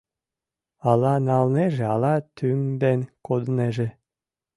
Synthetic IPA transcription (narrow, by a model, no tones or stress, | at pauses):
ɑlɑnɑlneʒeɑlɑt̪ʰyŋd̪enkod̪əneʒe